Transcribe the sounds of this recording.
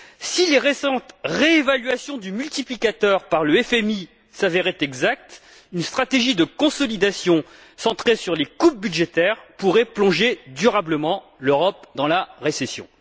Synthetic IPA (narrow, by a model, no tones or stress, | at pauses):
sileʁesɑ̃t̪ʁeːvalɥasjɔ̃d̪ymylt̪iplikat̪œʁpaʁləɛfɛmi | saveʁɛt̪ɛɡzak̚t̪ | ynst̪χat̪eʒid̪əkɔ̃sɔlid̪asjɔ̃ | sɑ̃t̪χesyʁlekup̚byd̪ʒet̪ɛʁpuʁɛplɔ̃ʒed̪yʁabləmɑ̃ | løʁɔpd̪ɑ̃laʁesesjɔ̰̃